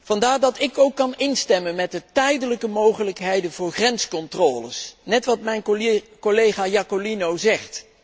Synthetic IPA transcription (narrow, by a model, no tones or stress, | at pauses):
v̥ɑndaːɹdɑtɪkowkːɑnɪnstɛmənmɛt̚dətɛjdələkəmowχələkɦejdənvʊːɹχrɛnskɔntrɔːlə̰snɛtʋɑtmɛjnkolejχaːjakolinowzɛχt